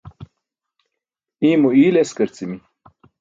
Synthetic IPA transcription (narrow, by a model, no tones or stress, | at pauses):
imuiːleskəɾt͡simi